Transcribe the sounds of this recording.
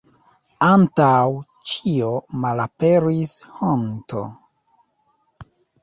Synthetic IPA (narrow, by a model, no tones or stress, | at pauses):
antaw | t͡ʃio̞malapeɾishonto̰